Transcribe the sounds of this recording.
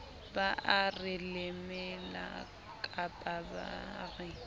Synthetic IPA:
baʔarɪlɪmɪla̰ | kʼapʼaba̰ːrɪ

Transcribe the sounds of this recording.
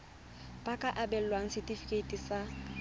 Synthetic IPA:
pʼakʼaʔabɛl̩lwaŋ̩sɪtʼifi̥kʼetʼisa

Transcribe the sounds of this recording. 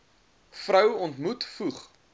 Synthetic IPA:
frəwɔntmutfuχ

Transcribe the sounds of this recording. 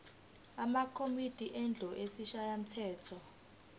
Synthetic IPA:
amakʰomid̥ʱiʔɛnd͡ɮʱɔʔesiʃajam̩tʰɛːtʰɔ

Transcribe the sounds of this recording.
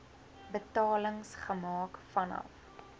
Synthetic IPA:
bətɑːləŋsχəmɑːkfɐnɐ̰f

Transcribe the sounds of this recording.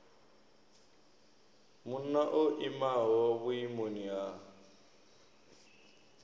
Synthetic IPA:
mun̩naʔoʔimaɦɔβuimonia

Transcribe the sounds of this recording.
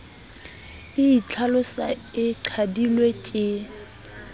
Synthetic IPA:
ɪit͡ɬʰalʊsa̰ɪǃʰadilwet͡ʃʼɪ

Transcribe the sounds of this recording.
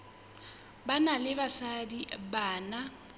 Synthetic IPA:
banalɪbasadibaːna

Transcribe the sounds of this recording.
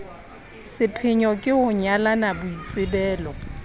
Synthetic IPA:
sɪpʰɪɲɔkʼɪhʊɲalanabʊit͡sʼɪbɛːlɔ

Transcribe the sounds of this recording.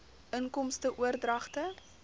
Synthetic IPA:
əŋkɔmstəʔuərdrɐχtə

